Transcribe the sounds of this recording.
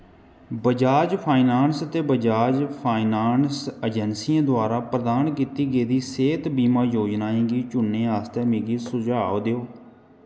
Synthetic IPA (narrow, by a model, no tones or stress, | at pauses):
bəd͡ʒaːd͡ʒpʰaːɪnaːnsət̪eːbəd͡ʒaːd͡ʒpʰaːinaːnsəd͡ʒɛnsiːãːd̪ʊaːɾaːpɾəd̪aːnk̬iːt̪iːɡeːd̪iːseːt̪biːmãːjoːd͡ʒnaːĩːɡiːt͡ʃʊnːẽːaːst̪eːmeːɡiːsʊd͡ʒaːoːd̪eoː